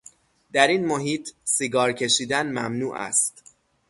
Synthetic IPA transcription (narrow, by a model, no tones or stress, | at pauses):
d̪̥æɾiːnmoɦiːt̪ʰsiɡɒːɾcʰe̞ʃiːd̪ænmæmnuːʔæ̰st̪